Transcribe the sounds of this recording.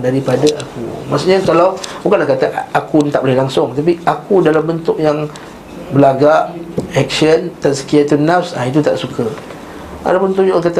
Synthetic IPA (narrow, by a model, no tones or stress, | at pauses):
daɾipadaʔakṵmaʔsuʔɲakalawbukanlahkat̪aʔakunt̪aʔbolɪhlaŋsʊŋt̪ap̬iakudalambənt̪ʊʔjaŋ | bəlaɡaʔɛk̚sənt̪ansə̥kiat̪unafsait̪̬ut̪aʔsukʰə | ʔa̰labənt̪uʔjkat̪a